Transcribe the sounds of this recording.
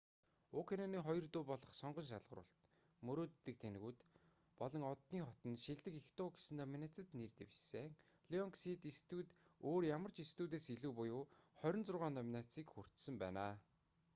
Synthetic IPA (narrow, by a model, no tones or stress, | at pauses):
ʊkʰananiːχɔjɞ̆rt̪ʊːpɔɮɞ̆χsɔɴɢɞ̆nʃ̬aɮʁə̆ɾʊ̰ːɬt̪ | mɵɾoːt̪ːɘ̆k̚t̪ʰen̆ɣuːt̪ | pɔɮɞ̆ŋɔt̪niːχɔt̪ɞ̆nʃiɮt̪ɘ̆kext̪ʊːɡe̥sɘ̆nɔminæ̆t͡sə̆t̪nert̪ḛwt͡ɕseːŋ | ɮiɔŋksit̪ist̪uːt̪oːrjamə̆r̥t͡ɕist̪uːt̪̬eːsiɮuːpʊjʊːχœɾʲɞ̆nt͡sʊrʁaːnt̪ɔminat͡siːkxur̥t̪sɘ̆mpæːnaː